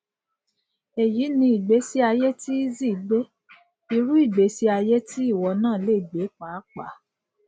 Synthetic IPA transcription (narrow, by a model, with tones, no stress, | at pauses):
e˨ji˨˦nĩ˧i˨ɡ͡be˨˦si˦a˧je˦ti˦i˦zi˦˨ɡ͡be˦ | i˧ɾu˦i˦˨ɡ͡be˨˦si˦a˧je˦ti˦i˦˨wɔ˧˦nãː˦˨le˦˨ɡ͡be˨˦k͡pa˨˦k͡pa̰˨˦